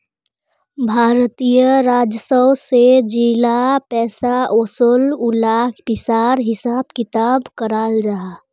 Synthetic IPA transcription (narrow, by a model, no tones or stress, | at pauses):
bʱaːɾt̪ijəɾaːd͡ʒəsəwsed͡ʒilapɛːsaosolulaːkʰpɪsaːɾɦɪsaːb̚kɪt̪aːbkəɾaːld͡ʒaa